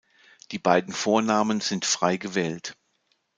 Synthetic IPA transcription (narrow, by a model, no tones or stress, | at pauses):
d̥iːbaɪdn̩foːɐnaːmənz̥ɪntfʁ̥aɪɡəvɛːlt